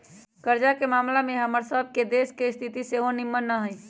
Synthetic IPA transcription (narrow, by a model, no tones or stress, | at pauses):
kəɾd͡ʒakemamlameɦəməɾsəbʱked̪eskeist̪ʰit̪iseɦonimːənːəɦəj